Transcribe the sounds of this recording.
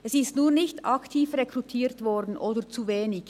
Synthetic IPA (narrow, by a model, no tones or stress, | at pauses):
ɛsɪstnuːnɪçtɑktʰiːfrekrutʰiːɾtvɔɾdn̩ʔoːdət͡suveːnɪç